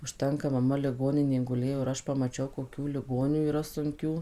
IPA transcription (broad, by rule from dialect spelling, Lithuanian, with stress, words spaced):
ʊʃʲˈtʲɛŋkɐ mɐˈmɐ lʲɪˈɡoːnʲɪnʲeːj ɡʊˈlʲeːjoː ɪr ˈɐʃ pɐmɐˈt͡ʃʲɛʊ koːˈkʲuː lʲɪˈɡoːnʲuː iːˈrɐ sʊŋʲˈkʲuː